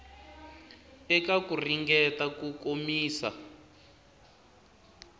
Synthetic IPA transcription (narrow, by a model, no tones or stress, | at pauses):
ɛkakuriŋɡɛtakukomiːsa̰